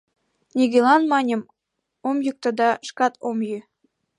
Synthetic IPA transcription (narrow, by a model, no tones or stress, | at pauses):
nʲiɡʲelɑnmɑnʲɤm | omjuk̚t̪ɤ̆d̪ɑʃkɑt̪ʰomjy